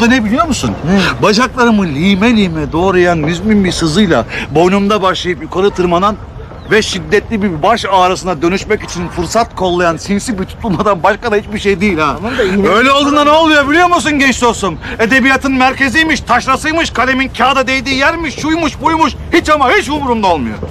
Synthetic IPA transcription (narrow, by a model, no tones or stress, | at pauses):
d̪anɛbilʲijo̞ɾmusunbaʒaklˠaɾɯmɯlʲiːmɛlʲiːmɛd̪o̞ːɾajanmyzminbisɯzɯjlˠabo̞numd̪abaʃlˠajɯpjukʰaɾɯt̪ʰɯɾmad̪an | vɛʃid̪ːɛt̪lʲibibaʃaːɾasɯnad̪ø̞nyʃmɛcit͡ʃʰinfɯɾsat̪kʰo̞lˠːajansinsibit̪ʰu̥t̪ʰulˠmad̪anbaʃkad̪ahit͡ʃbiʃejd̪iːlʲaø̞jlʲɛo̞lˠd̪ɯːnd̪ano̞lˠmujobilʲijomusunɟɛnt͡ʃsosome̞d̪e̞bijat̪ʰɯnmæɾcʰe̞zijmiʃt̪ʰaʃɾasɯjmɯʃkʰalʲemincʰaːd̪ad̪ejd̪iːjæɾmiʃːujmuʃbujmuʃ | hit͡ʃamahit͡ʃumuɾumd̪aolˠmujo̰